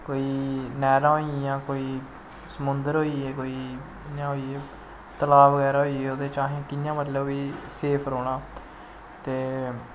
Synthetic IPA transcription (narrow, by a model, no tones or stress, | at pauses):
koːiːnɛːɾãːiãːkoːiː | səmʊnd̪əɾɦoːiːeːkoːiː | ɪjãːɦoːieː | t̪əlaːʋəɣɛːɾɦoːiːeːoːd̪eːt͡ʃaːɦeẽːkɪnjãːmət̪ləbiːseːpʰɾoːɽãː | t̪eː